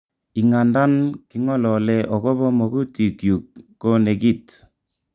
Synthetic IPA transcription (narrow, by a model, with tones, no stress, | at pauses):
i˨ŋa˨nda˦nki˦ŋɔ˦lɔ˨lɛ˦ʔɔ˨kɔ˦βɔ˦mɔ˨ɡu˦ti˨kju˨k̚ːo˦ne˨ki˦˨t